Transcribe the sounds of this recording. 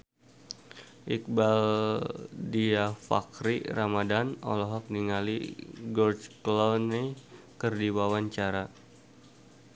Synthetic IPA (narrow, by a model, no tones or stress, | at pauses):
ʔik̚bal | diafa̰kɾiɾamadanɔ̰lɔɦɔk̚niŋalḭɡɔrt͡ʃklɔne | kərdiwawaɲt͡ʃaɾa